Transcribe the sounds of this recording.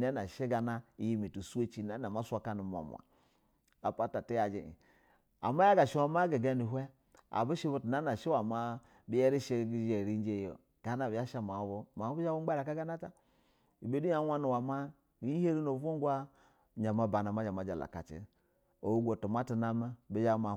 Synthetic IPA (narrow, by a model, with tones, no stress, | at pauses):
na˦na˨ʃe˦ɡa˨na˦i˨ji˦mi˨tu˨su˦e˦t͡ʃi˦na˨˦na˨ma˦sʷa˦ka˦ni˨m˨o̰˨mʷ˨a̰˨ | a̰˨pa˦ta˨ti˦ja˨d͡ʒḛ˨ḭ˨ | a̰˨ma˦ja˦ɡa˨ʃe˦wa˨˦ma˦ɡe˨ɡa˦ni˨ɦwɛ˦ | a̰˨bu˦ʃe˦bo˦ti˨na˦a˨ʃe˦wa˨ma˦ | bi˦je˦ɾi˦ʃe˦˨ɡi˨d͡ʒe˨ɾi˦n˦d͡ʒe˦jo̰˨ | ɡ̥a˨˦na˨bi˨ja˦ʃa˦ma˨˦bo˦ma˨˦bu˦a˦wu˦a˦ɾa˨ka˦ɡa˦na˦ta˦ | i˨be˦du˦ja˨˦wʷa˦nu˨wa˨ma˦ | i˨˦i˦he˦ɾi˦no˨vo˦ŋɡʷa˦˨ | ɲa˨ma˦ba˨na˨ma˨˦a˨ma˨˦d͡ʒa̰˨la̰˨ka̰˨t͡ʃḛ˦ | o˨u˦ɡʷo˨tu˨ma˦ti˨na˦me˦bi˦d͡ʒa˦ma˨